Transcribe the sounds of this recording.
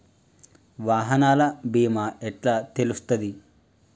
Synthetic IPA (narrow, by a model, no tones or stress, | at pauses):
ʋaːɦɐnaːlɐbiːmaːɛʈlaːt̪elust̪ɐd̪i